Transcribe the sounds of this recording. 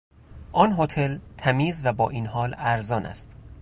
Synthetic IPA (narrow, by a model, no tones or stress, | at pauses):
ʔɒːnɦot̪ʰe̞lt̪ʰæmiːzvæbɒːʔiːnɦɒːlæɾzɒːnʔæ̰st̪